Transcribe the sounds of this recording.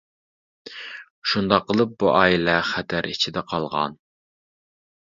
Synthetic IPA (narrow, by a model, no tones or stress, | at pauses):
ʃund̪ɑqːəlˠɨp̚buʔɑːilɛχɛt̪ʰæɾit͡ʃʰid̪ɛqʰɑlˠʁɑ̰n